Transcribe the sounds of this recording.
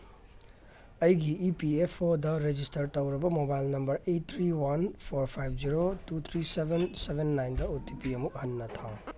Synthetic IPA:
ɐjɡiːpiepʰodɐɾed͡ʒistɐɾtɐwɾɐbɐmobajlnɐmbɐɾet̚t̪ʰɾiwɐnpʰoɾpʰajb̚ʱd͡ʒiɾotut̪ʰɾisebensebʱenːajndɐotipiɐmuk̚hɐnːɐt̪ʰa

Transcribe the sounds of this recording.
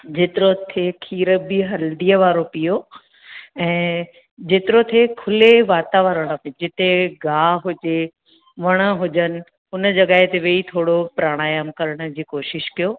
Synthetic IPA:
d͡ʑeːt̪ɪɾot̪ʰekʰiːɾəbɪɦɐld̪ijəʋaːɾopijo | ɛ̃ː | d͡ʑeːt̪ɪɾot̪ʰekʰʊleʋaːt̪aʋəːɾəɽ̃pid͡ʑɪt̪eɡaːɦʊd͡ʑe | ʋɐɽ̃ə̆ɦʊd͡ʑənɪ̆ | ɦʊnə̆d͡ʑɐɠaːɦet̪eʋeːit̪ʰoːɽopɾaːɽ̃aːjəmkɐɾəɽ̃ə̆d͡ʑiːkoːʃɪʃkijoː

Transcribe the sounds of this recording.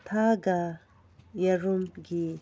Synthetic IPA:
t̪ʰaɡa | jɐɾumɡi

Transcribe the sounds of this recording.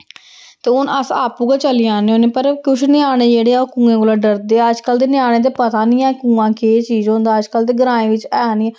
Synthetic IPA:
t̪eːʊnəsa̰ːpuːɡaːt͡ʃəliːaːneːõːneːpəɾkʊʃʰnɪaːɽ̃eːd͡ʒeːɽeːaoːkũːẽːkoːlaːɖəɾd̪eːəd͡ʒkəld̪eːnɪaːɽ̃ẽːt̪eːpət̪aːnĩːɛːkũːãːkeːt͡ʃiːzõːnd̪aːəd͡ʒkəld̪eːɡəɾãːẽːʋɪt͡ʃɛːniː

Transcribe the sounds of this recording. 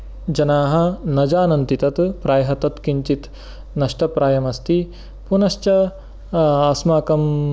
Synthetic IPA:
d͡ʒɐnaːɦɐ̆nɐd͡ʒaːnɐnt̪it̪ɐt̪pɾaːjɦɐt̪ɐt̪kiɲt͡ʃit̪ | nɐʂʈɐpɾaːjɐmɐst̪i | punɐʃt͡ʃɐ | ɐsmaːkɐm

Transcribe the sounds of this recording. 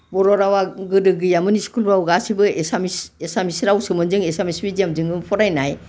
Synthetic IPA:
bɔɾɔɾawaɡɯdɯɡɯjamɯniskulbawɡasibɯesamisesamisɾawsɯmɯnzɯŋesamisbid͡ʒijamzɯŋɯmpʰɔɾajnaj

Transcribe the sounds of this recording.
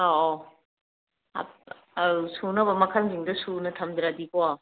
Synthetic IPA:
a | a̰ | ɐsunɐbɐmɐkʰɐlziŋdɐsunɐtʰɐmd̪ɾadikoa

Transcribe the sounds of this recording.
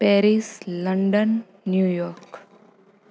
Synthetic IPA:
pɛːɾisləɳɖənː | juːjɔːɾk

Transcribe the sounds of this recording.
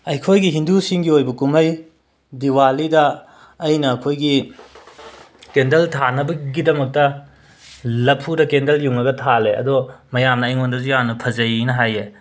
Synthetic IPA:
ɐjkʰojɡiɦindusiŋɡiojbɐkumɐj | diwalidɐː | jnɐːkʰojɡi | kendɐltʰanɐbɐɡidɐmɐk̚tɐ | lɐpʰudɐkendɐljuŋɐɡɐtʰaleɐ̰dɔmɐjamnɐːjŋondɐzujanɐpʰɐzɐjnɐɦaje

